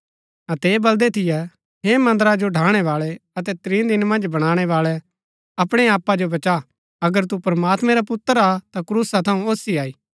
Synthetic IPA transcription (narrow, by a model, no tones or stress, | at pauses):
ɐt̪eːbɐld̪ɛt̪ʰɪjɛ | ɦemɐ̃nd̪əɾad͡ʒoɖʱaːɽ̃ɛʋaːɭɛɐt̪ɛt̪ɾĩːd̪ɪnmɐ̃nd͡ʒbɐɽ̃aːɽ̃ɛʋaːɭɛ | ɐpɽ̃ɛaːpːad͡ʒobɐt͡ʃa | ɐɡəɾt̪̬upɾmaːt̪mɛ̃ɾapʊt̪ːəɾat̪akɾuːsat̪ʰɐũoːsiaːiː